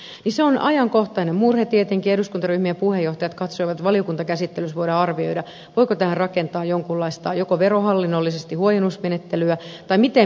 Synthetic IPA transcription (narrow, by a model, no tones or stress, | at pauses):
niseonɑjɑŋkoht̪ɑinemmurhet̪iet̪eŋkieduskunt̪ɑryhmijɑpuhejːoht̪ɑjɑt̪kɑt̪soiʋɑt̪t̪ʋɑliokunt̪ɑkæsit̪ːelysʋoiɾɑɑrʋioijdɑ | ʋoikot̪æhærrɑkent̪ɑːjoŋkulːɑist̪ɑjokoʋeɾohɑlːinːolːisest̪ihuojenusmenet̪ːelyæt̪ɑimit̪e